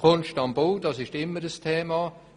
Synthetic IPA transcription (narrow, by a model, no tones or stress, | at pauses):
kʰonʃtɑmboːd̥ɑsɪʃtɪmːəɾəstʰɛːmɑː